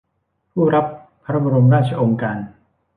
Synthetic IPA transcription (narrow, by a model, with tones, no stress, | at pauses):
pʰuː˥˩ɾa˦˥pʰː | a˧ɾa˦˥ba˧ɾu˧mɾaː˥˩t̪̚t͡ɕʰa˧ʔo˧ŋkaː˧n